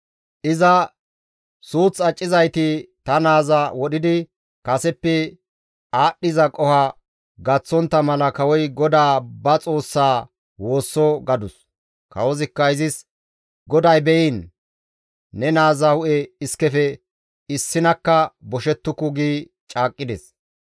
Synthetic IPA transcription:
ʔɪzɐ | suːt͡sːɐt͡ʃʼːɪzɐjt̪ɪt̪ɐnaːzɐwɔɗɪd̪ɪ | kɐsɛpːɛ | aːɗːɪzɐkʼɔhɐ | ɡɐt͡sːɔnt̪ːɐmɐlɐkɐwɔjɡɔd̪aːbɐt͡sʼo̞ːsːaː | wo̞ːsːɔɡɐd̪ʊs | kɐ̰wɔzɪkːɐɪzɪs | ɡɔd̪ɐjbɛjiːn | ɛnaːzɐhʊʔɛɪskɛfɛ | ɪsːɪnɐkːɐbɔʃɛt̪ːʊkʊɡiː | t͡ʃʼaːkʼːɪd̪ɛs

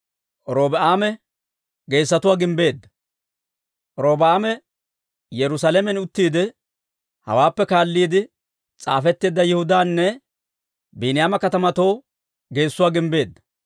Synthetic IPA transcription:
ɾoːbɛʔaːmɛ | ɡe̞ːsːɐt̪ʊwaːɡɪmbe̞ːd̪ːɐ̥ | ɾoːbaːmɛ | jɛɾʊsaːlɛmɛnʊt̪ːiːd̪ɪ | hɐ̰waːpːɛkaːlːiːd̪ɪ | t͡sʼa̰ːfɛt̪ːeːd̪ːɐjɛhʊd̪aːnːɛ | biːnɪjaːmɐkɐt̪ɐmɐt̪o̞ː | ɡe̞ːsːʊwaːɡɪmbe̞ːd̪ːɐ̥

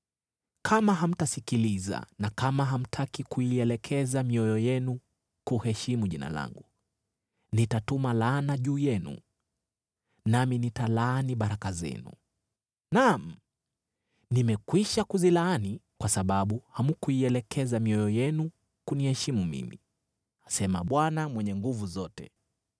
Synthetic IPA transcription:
kʰamaɦam̩tasikiliza̰nakamaɦam̩tʰakikuiɛlɛkʰɛzamiɔjɔjɛnu | kuhɛʃimuʄina̰la̰ŋɡu | nitatumalaːnaʄuːjɛnṵ | naminitalaːniɓaɾakazɛ̰nṵ | nam̩ | nimɛkwiʃakuzilaanikwasaɓaɓuhamukuiɛlɛkʰɛzamiɔjɔjɛnu | kunihɛʃimumḭmḭ | asɛmaɓwanamwɛɲɛŋɡuvuzɔtɛ̰

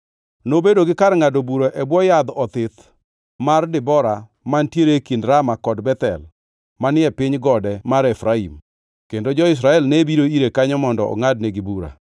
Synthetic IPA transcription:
nobedoɡɪkaɾŋadobuɾoʔɛbwɔjad̪ɔt̪ɪt̪ | mardɪbɔɾa | mantjeɾekindɾamakɔdbɛt̪ɛ̰l | manɪɛpɪɲɡɔdɛmaɾɛfɾaḭm | kendod͡ʒɔɪs̬ɾaɛlnebiɾoiɾekaɲɔmɔndɔ̰ɔ̰ŋad̚neɡɪbuɾa̰

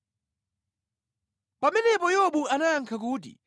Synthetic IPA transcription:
pamɛnɛpɔjɔɓuanaaŋkʰak̬uːt̬ḭ

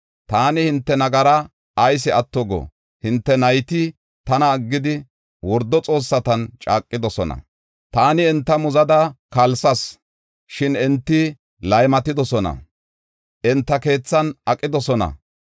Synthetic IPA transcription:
t̪aːnɪhɪnt̪ːɛnɐɡɐɾɐ | ɐjs̬ɪɐt̪ːɔɡɔ̰ | hɪnt̪ːɛnɐjt̪ɪ | t̪ɐnɐːɡːɪd̪ɪ | wɔɾd̪ːɔt͡sʼo̞ːsːɐt̪ɐnt͡ʃʼaːkʼːɪd̪ɔsɔnɐ̰ | t̪aːnɪɛnt̪ːɐmʊzɐd̪ɐkɐlsɐs | ʃɪnɛnt̪ːɪ | lɐjmɐt̪ɪd̪ɔsɔnɐ̰ | ʔɛnt̪ːɐke̞ːt͡sːɐnɐkʼːɪd̪ɔsɔnɐ̰

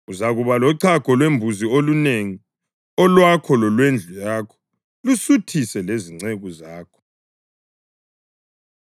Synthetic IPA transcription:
uzaɣuβalɔǀʰaɡ̥ʱɔlwembʱuzioluneŋi | ɔlwakʰɔlɔlwend͡ɮʱujaːkʰɔ̥ | lusutʰisɛleziŋ͡ǀeɣuzaːkʰɔ̥

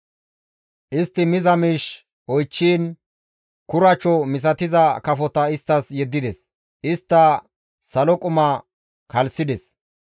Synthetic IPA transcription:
ʔɪst̪ːɪmɪzɐmiːʃ | ɔjt͡ʃːiːn | kʊɾɐt͡ʃːɔmɪs̬ɐt̪ɪzɐkɐfɔt̪ɐɪst̪ːɐsjɛd̪ːɪd̪ɛs | ʔɪst̪ːɐ | sɐlɔkʼʊmɐ | kɐlsɪd̪ɛs

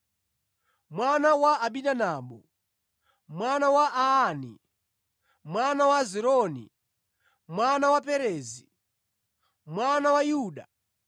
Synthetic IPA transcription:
mwanawaːɓinanaːɓɔ | mwanawaʔaanḭ | mwanawaziɾɔnḭ | mwanawapɛɾɛːzi | mwanawajuːɗa

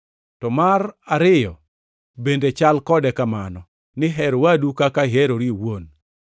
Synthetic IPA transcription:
tɔmaraɾɪjɔ | bendet͡ʃalkɔdɛkamanɔ | nɪɦɛɾwadukakaɦɛɾoɾiwon

